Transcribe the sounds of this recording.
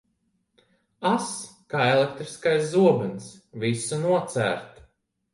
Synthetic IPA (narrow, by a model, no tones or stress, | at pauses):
askaːelekt̪ɾiskajszuɔbɨnsvisunuɔt̪sæ̰ːɾt̪